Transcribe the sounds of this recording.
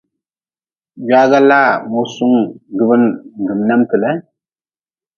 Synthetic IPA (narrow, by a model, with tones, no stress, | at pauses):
ja˦ɡa˦la˦˨mo˦su˦ŋɡɨ˦bɨ˦n˨ɡɨ˨mnɛ˦mtɨ˨lɛ˦